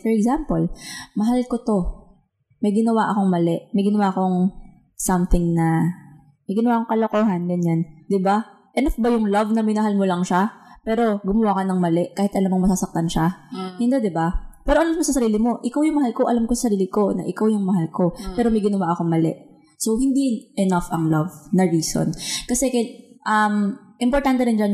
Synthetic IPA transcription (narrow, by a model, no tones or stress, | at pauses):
fɔɹɛɡzampolmɐɦalkot̪o̞ | mɐjɡɪnɐwaʔɐko̞ŋmɐlɛʔmɐjɡɪnɐwaːko̞ŋ | sɐmθɪŋnɐ | mɐjɡɪnɐwaːkoŋkɐlokoːɦɐnɡɐnjand̪ɪba | ʔɛnɐfbɐjʊŋlɐvnɐmɐjnɐɦalmolɐŋʃapɛːɾo̞ɡʊmɐwaːkɐnɐŋmɐlɛʔkaːhɪt̪ʔɐlamːoŋmɐsasɐk̚t̪anʃahɪnd̪od̪ɪbapɛːɾoʔɐlamkosɐsɐɾiːlɪmo̞ʔɪkawjʊŋmɐhalko̞ʔɐlamkosɐsɐɾiːlɪko̞nɐ̰ʔɪkawjʊŋmɐɦalko̞pɛːɾomɐjɡɪnɐwaʔɐko̞ŋmɐlɛ̰ʔ | sowhɪnd̪inʔɛnafɐŋlɐvnɐɹiːso̰nkɐsɛkɐʔɐmʔɪmpoɾt̪ant̪ɛɾɪnd͡ʒan